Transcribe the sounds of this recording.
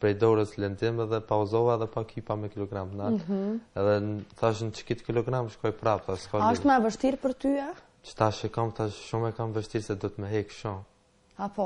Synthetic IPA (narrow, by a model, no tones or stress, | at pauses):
pɾɛjd̪ɔɾəslɛnd͡z̪imɛðɛpauzɔvaɛðɛpakʰipamɛkilɔɡɾamnaɦɛðɛθaʃ̬nət͡ʃə̥kit̪kilɔɡɾamʃkɔjpɾapθaʃkɔɔʃt̪mɛvəʃt̪iɾpəɾt̪ya | t͡ʃə̥t̪aʃɛkamθaʃʃumɛkamvəʃt̪iɾsɛd̪ɔət̪məɦɛkʃum | apɔ